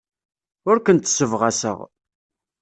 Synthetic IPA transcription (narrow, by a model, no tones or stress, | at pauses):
ʊɾkənt̪səvʁæsə̰ʁ